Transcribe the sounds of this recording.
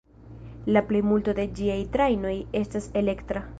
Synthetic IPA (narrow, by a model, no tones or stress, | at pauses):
laple̞jmulto̞de̞d͡ʒiajtɾajno̞je̞stase̞le̞ktɾa